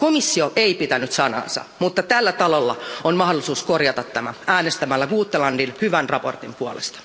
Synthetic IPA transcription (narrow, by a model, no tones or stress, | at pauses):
komisːioʔeipit̪ænyt̪sɑnɑ̰ːnsɑ̰mut̪ːɑt̪ælːæt̪ɑlolːɑ̰onmɑhdolːˑisuːskorjɑt̪ɑt̪tæmææːnest̪æmælːæɡuːt̪ːelɑndinhyʋænrɑpo̞̰rt̪impuolḛst̪ɑ̥